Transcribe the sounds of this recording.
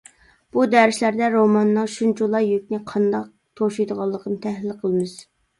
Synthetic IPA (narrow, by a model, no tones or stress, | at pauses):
b̥ud̪æɾɪʃlæɾd̪ɛɾomɑnːɨŋʃunt͡ʃulˠɑjøk̚ʲnɪqʰɑnd̪ɑq̚t̪ʰoʃujd̪əʁɑlˠːəqʰənɨt̪ʰɛhlɪlqʰəlˠɨmɨz̥